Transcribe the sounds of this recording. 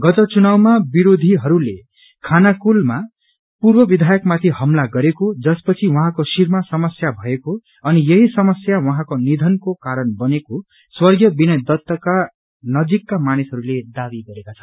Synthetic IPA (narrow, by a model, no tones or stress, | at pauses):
ɡʌt̪ʌt͡sunawmabiɾod̪ʱiɦʌɾule | kʰanakulma | purbʌbid̪ʱajʌkmat̪ʰihʌmlaɡʌɾekod͡zʌspʌt͡sʰiwʌɦãkosirmasʌmʌsjabʱʌeko | ʌnijʌɦisʌmʌsjawʌɦãkonid̪ʱʌnkokaɾʌnbʌneko | swʌrɡjʌbinʌjd̪ʌt̪ːʌka | nʌd͡zikːamanisɦʌɾuled̪abiɡʌɾekat͡sʰʌ̥n